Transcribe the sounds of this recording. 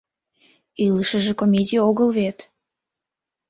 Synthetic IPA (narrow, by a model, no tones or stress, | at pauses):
iləʃəʒekomʲedʲijoɣəlβet̪